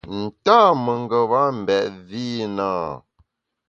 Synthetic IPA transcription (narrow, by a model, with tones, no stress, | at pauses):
n̩˨taː˦mə˨ŋ˨ɡə˨βa˦m̩˨bɛ˨ʔviː˦naː˦˨